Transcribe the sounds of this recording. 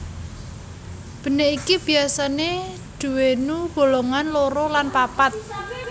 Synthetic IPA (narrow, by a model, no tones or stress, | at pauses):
b̥ə̤neʔikib̥i̤asane | d̥ṳwenuɡ̥o̤loŋanloɾolanpapat̪̚